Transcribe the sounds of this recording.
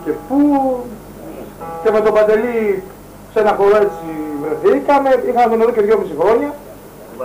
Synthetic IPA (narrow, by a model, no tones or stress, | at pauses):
ce̞pu | ce̞met̪o̞bɐd̪e̞li | se̞nɐxo̞ɾoe̞t͡sivɾeθikɐme̞ixɐmemuneðoceðʝo̞misixɾo̞ɲɐ